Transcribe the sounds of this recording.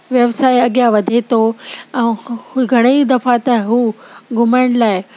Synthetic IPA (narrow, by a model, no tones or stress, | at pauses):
ʋjɐʋsaːiɐɠijaʋɐd̪ʱet̪ʰoɛ̃ːɡʱɐɽ̃eid̪ɐfat̪ɐɦuːɡʱʊməɪɽ̃laːɪ